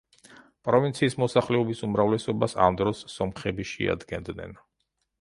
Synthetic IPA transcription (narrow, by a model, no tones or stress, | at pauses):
pʼɾɔvint̪sʰiːsmɔsaχlɛɔbisumɾavlɛsɔbasa̰md̪ɾɔsːɔmχɛbiʃɛ̰a̰d̪ɡɛnd̪nɛ̰n